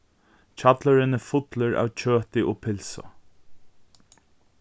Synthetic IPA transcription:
t͡ɕʰat̪laɾɪnəfʊt̪ləɹʔa̰ːwt͡ɕʰøːt̪ɪʔɔːpʰɪlsɔ̰

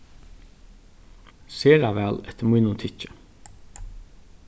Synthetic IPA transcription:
seːɾɑːʋæːlɛt̪ʰəmunʊt̪ʰɪc͡çə̥

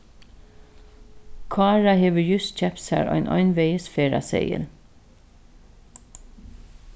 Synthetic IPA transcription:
kʰɑːɹɑheːʋəjʉsc͡çɛpsæ̰ːɹʔɑ̰ɪnʔɑ̰ɪnʋeɪəsfeːɹɑ̰sḛɪə̰l

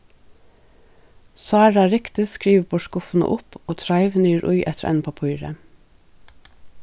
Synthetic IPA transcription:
sɑæːɖɑːɾɪkt̪ɪskɹiːʋbʰoːʃkʊfn̩ə̰ʔʊpoːt̪ʰɾɑɪʋnyːɾʔʊʏʔɛ̰t̪əɾɛ̰ːnpʰɑpʰʉʏɾə̰

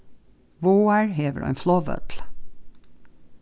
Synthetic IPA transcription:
ʋoːæɹheːʋə̰ʔɑ̰ɪnflɔʋœ̰t̪l

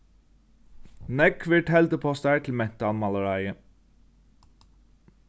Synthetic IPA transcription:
nɛkʰʋɪʈʰɛld̪əpʰɔst̪æːʈ̪ʰl̩mɛnt̪əɑnmɑləɹɑɪə

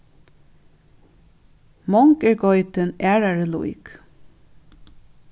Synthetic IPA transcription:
mɔŋkɛɹɡɔʏt̪ənæːɹaɹəlṵjk

